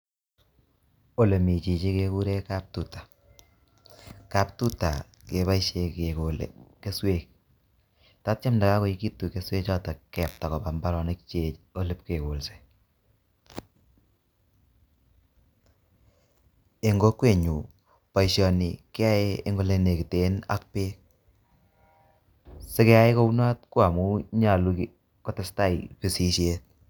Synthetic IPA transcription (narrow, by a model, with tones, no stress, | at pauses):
o˨le˨mi˨t͡ʃi˨t͡ʃe˦ke˧ku˦ɾe˦ka˦p̚tu˨tḁ˨ | ka˨p̚tu˦ta˨ | ke˨βa˦i˦ʃe˨ke˨ko˨l̰ke˦swe˦k̚ | ta˦t̚t͡ʃa˦mnda˨ka˦ko˦i˦ki˦tːu˨ke˦swe˦t͡ʃɔ˦tɔ˨kɛ˨p̚ta˨kɔ˨ba˨mba˦ɾɔ˨ne˦kt͡ʃe˨o˦lɨ˦p̚ke˨ko˨lse̥˨ | e˨ŋɡo˦kwe˦˨ɲu˨ | pa˨iʃɔ˨ni˨ke˦a˦e˦e˦ŋɡo˦˨le˦ne˨ki˨te˦na̰˦k̚pe˦k̚ | se˦kɛ˦a˦e˦ko˦u˦na˦t̚kwa˨mu˦ɲa˨lu˧ | kɔ˨tɪ˨sta˦˨i˨pi˨si˨ʃe˦t̚